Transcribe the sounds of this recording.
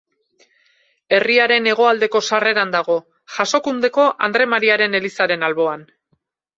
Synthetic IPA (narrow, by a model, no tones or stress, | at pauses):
e̞riaɾe̞ne̞ɣ̞o̞ald̪e̞ko̞sare̞ɾand̪aɣ̞o̞ | ʝaso̞kund̪e̞ko̞ʔand̪ɾe̞maɾiaɾe̞ne̞lisaɾe̞nalβo̞an